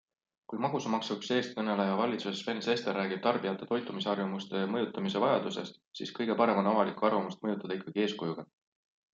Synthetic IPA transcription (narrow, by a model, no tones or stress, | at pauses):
kujmɑɡ̥usɑmɑksukse̞ːst̪̚kɤne̞lejɑvɑlʲit̪susesve̞nse̞st̪erːæːɡib̥̚t̪ɑrb̥ijɑt̪ːˑe̞t̪o̞jt̪ːˑumiseɑrvɑmust̪e̞jɑmɤjut̪ːˑɑmise̞vɑjɑd̪use̞st̪sḭskɤ̞jɡe̞pɑɾe̞mɑnɑvɑlikːuɑrvɑmust̪̚mɤjut̪ːˑɑd̪̥ɑikːˑɑɡ̥ie̞ːskujuɡ̥ɑ